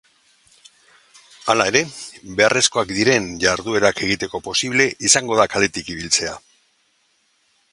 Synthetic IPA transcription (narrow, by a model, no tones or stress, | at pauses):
alae̞ɾe̞βe̞are̞sko̞akd̪iɾe̞nʝaɾðue̞ɾake̞ɣ̞it̪e̞ko̞po̞siβle̞ʔisaŋɡo̞ðakale̞t̪ikiβilt͡se̞a